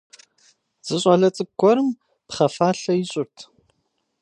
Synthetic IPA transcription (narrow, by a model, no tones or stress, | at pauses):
z̥ɨɕʼaɮɐt͡sʼɨɡʷɔɾɨm | pχɐfaːɬɐjɪɕʼʊrtʰ